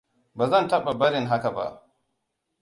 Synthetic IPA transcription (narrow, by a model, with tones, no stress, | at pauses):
baː˨zɐ˦ntɐ˦ɓa˨bɐ˦ɾɪ˨ŋɦa˦ka˨ba̰˦˨ʔ